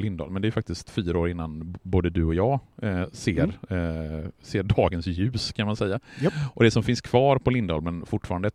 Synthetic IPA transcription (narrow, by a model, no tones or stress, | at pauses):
lɪnd̪ɑ̰ːlmɛnd̪ɛæjfak̚t̪ɪskt̪fyːɾaoːɾɪnːanboːd̪əd̪ɵɔjɑːseːɾ | seːɖɑːɡənsjʉ̟ːskʰanmansɛjːaʔɔd̪ɛsɔmfɪnskʰv̥ɑːɾpʰɔlɪnd̪ɑ̰ːlmɛnfʊʈːfɑːɾand̪əɛ